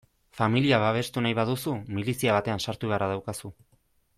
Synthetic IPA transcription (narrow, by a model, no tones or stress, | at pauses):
familiaβaβ̞e̞st̪unajβaðusumilisiaβ̞at̪e̞ansaɾt̪uɣaraðawkasu